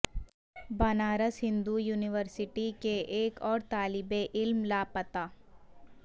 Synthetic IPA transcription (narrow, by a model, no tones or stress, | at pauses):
bɐnaːɾəsɦɪ̃nd̪ujuːnɪʋəɾsɪʈikeʔeːkɔːɾt̪aːlɪbeʔɪlmlaːpət̪aː